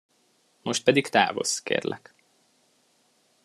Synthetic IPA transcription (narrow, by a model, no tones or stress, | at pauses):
mo̞ʃt̪̚pɛd̪ikt̪a̰ːvo̞̰skḛːrlɛk